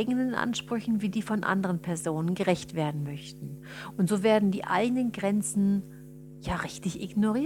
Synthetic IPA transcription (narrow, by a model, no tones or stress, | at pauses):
ɪɡənənʔa̰nʃpʁ̥ʏçn̩viːdiːfɔnʔa̰ndəʁənpʰɛɐzoːnənɡəʁɛçtv̥eːɐdn̩mœçtn̩ | ʔʊntz̥oːveːɐdn̩diːʔa̰ɪɡənənɡʁɛnt͡sn̩ | jaːʁɪçtɪçʔɪɡnoʁiː